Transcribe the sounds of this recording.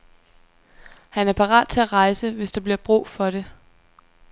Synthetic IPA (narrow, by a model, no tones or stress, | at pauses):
hænæɐpʰɑ̈ʁɑ̰̈ːd̥̚t͡sʰe̝æʁɑ̈ɪsəʋe̝sd̥ɑ̈b̥liɐ̰b̥ʁṵːfɒ̽ɾ̥e̝